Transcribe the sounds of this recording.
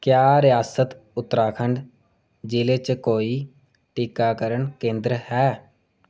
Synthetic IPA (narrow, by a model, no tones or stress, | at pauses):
kjaːɾɪjaːsət̪ | ʊt̪ːɾaːkʰəɳɖ | d͡ʒiːleːt͡ʃkoːiː | ʈɪkaːkəɾəɳkẽːnd̪ɾhɛː